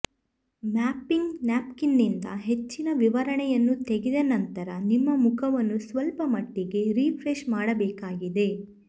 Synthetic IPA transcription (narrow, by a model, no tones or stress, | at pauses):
maːpːiŋɡnaːpkinːind̪ɐ̰ɦe̞t͡ʃːinɐʋiʋɐɾɐɳɛjɐnːut̪eɡid̪ɐnɐnt̪ɐɾɐnimːɐmukʰɐʋɐnːusʋɐlpɐmɐʈːiɡe̞ɾiːpʰɾeʃmaːɽɐbɛːkaːɡid̪e̞